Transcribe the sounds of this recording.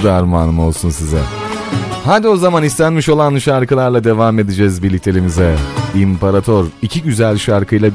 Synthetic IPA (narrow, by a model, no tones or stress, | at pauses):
d̪aɾmaːnɯmɯo̞lˠsunsizɛ̰ | had̪io̞zamanist̪ʰænmiʃo̞lˠanʃaɾkɯlˠaɾlˠad̪e̞vame̞d̪id͡ʒɛzbiɾlʲic̚t̪ʰe̞lʲimizɛimpʰaɾat̪ʰo̞ɾicʰiɟyzælʲʃaɾkʰɯjlˠa